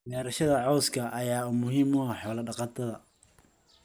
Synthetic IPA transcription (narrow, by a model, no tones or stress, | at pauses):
mɛːɾɐʃɐðɐʕɔwskʰɐʔɐjaːʊmʊɦiːmʊɦɐħɔːlɐɖɑqɑt̪ʰɐðɐ